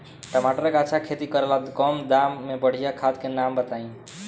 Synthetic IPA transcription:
ʈəmaʈəɾəkatːt͡ʃʰakʰet̪ikəɾelad̪kɔmd̪amːebəɽ̤ijakʰad̪kenambət̪aĩ

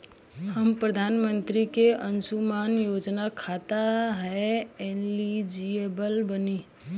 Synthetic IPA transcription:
həmpɾəd̪ʱaːnmə̃nt̪ɾikeʔə̃nsumaːnjoːd͡ʒnakʰat̪aɦɛe | ɛːnlid͡ʒiebəlbəniː

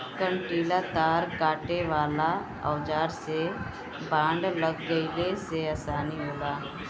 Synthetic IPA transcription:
kə̃ɳʈiːlat̪aːɾkaːʈeʋaːla | ɔːd͡ʒaːɾse | bãːɳɖləɡːəileseaːsaːniɦoːlaː

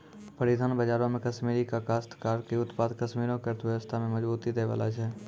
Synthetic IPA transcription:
pəɾɪd̪ʱaːnbəd͡ʒaːɾõmẽkəʃmiːɾikakaːst̪kaːɾkeʊt̪paːd̪kəʃmiːɾõkeɾt̪ʋəʋəst̪ʰamẽməd͡ʒbuːt̪id̪eːʋa̰ːla̰t͡ʃʰɛː

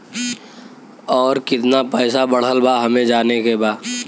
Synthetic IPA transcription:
ɔːɾkɪt̪napɛːsabɐɽ̤əlbaɦɐmẽd͡ʒaːnekebaː

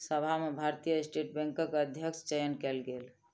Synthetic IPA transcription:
səbʱamebʱaɾt̪ijəsʈeʈ̚bɛ̃ŋkəkəd̪ʱjəkst͡ʃɛjənkɛlɡel

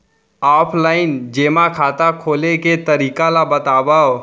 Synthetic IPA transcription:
aːpʰlaːɪnd͡ʒeːmakʰaːt̪akʰoːleket̪əɾiːkalabət̪aːbao

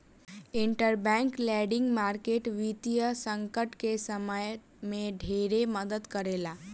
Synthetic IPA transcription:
iɳʈəɾbɛ̃ŋklɛɖɪ̃ŋɡmaɾkeʈʋit̪ijəsə̃ŋkəʈkesəməj | mẽɖʱeɾeməd̪əd̪kəɾela

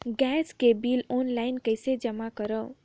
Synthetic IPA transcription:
ɡɛskebilɔnlajnkəjsed͡ʒəmakəɾə

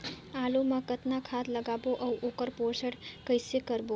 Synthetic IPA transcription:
alumãkət̪nakʰat̪ləɡaboʔəuʔokəɾpoɾsəɽkəjsekəɾbo

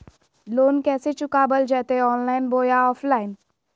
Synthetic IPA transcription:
loːnkɛːset͡ʃʊkabəld͡ʒɛːt̪eɔːnlaːɪnboːjaɔːfʰlaːɪn

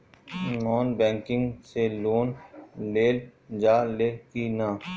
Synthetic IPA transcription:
nɔːnbɛ̃ːŋkɪ̃ŋɡseloːnleːld͡ʒaːleːkiːnãː

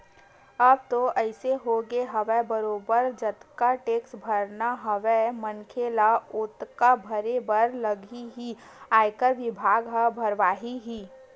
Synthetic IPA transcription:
ɐb̚t̪oʔɐɪseɦoɡeɦɐʋɛbəɾoːbəɾd͡ʒɐt̪kaʈeːksbʱɐɾnaɦɐʋɛmɐnkʰelaʊt̪kabʱɐɾebəɾləɡiɦi | aːjkəɾʋɪbʱaːɡɦəbʱɐɾʋaːɦiɦiː

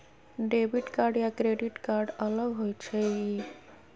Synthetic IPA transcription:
ɖebiʈkaɾɖjakɾeɖiʈkaɾɖələɡɦojt͡ʃʰei

